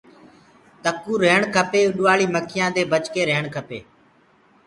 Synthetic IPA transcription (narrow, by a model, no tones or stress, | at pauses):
t̪əkuːɾeːɳkʰəpeːʊɗʊʋaːɭiːməkʰɪjãːd̪eːbət͡ʃkeːɾeːɳkʰəpḛː